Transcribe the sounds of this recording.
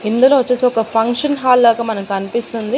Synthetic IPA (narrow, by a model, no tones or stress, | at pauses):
ind̪ɐloːʋɐt͡ʃːeːsiɔkɐpʰɐŋkʂɐnɦaːlːaːɡɐmɐnɐmkɐnipist̪und̪i